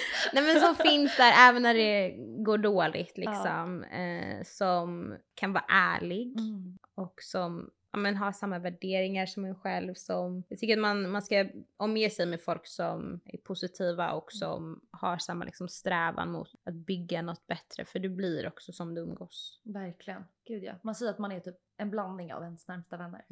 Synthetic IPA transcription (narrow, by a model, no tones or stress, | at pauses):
nnɛmɛnsɔmfɪnsd̪æɾɛːvɛnːæɖɛɡoːɖoːlʔɪ̰ɡt̪lɪksɔmɛ̰sɔmkʰanvɑ̰ːɾaʔæːɭɪɡ | ɔksɔmʔaːmɛnɦaʂamːavæɖeːɾɪŋaɾʂɔmɛnɧɛlvsɔmjaɡt̪ʰʏkːəɾat̪̚manmanskaɔmjeːsɛjmɛfɔlksɔmæ̰ɾpʰʊsɪt̪ʰiːva̰ʔɔksɔ̰mhaɾʂamːalʔɪ̰ksɔmst̪ɾɛːva̰nmʊ̰t̪at̪̚bʏɡːanɔt̪ːbɛt̪ːɾə̰fœɖɵbliɾɔksɔsɔmd̪ɵɵmɡoːsvæɾkʰlɪɡənɡ̥ʉ̟ːd̪jɑ̰ːmansɛjːəɾat̪manætʰyːp̚ | ɛnbland̪nɪŋa̰vd̪ɛnsnæɾmst̪avɛnːə̰ɾ